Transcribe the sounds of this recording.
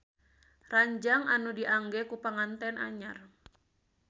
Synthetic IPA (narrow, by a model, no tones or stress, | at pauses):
raɲd͡ʒaŋʔanudiʔaŋɡɛkupaŋant̪ɛna̰ɲar